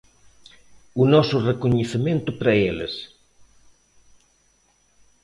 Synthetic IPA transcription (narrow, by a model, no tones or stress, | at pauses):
ʊnɔsʊrekoɲeθemẽnt̪ʊpɾɐelḛs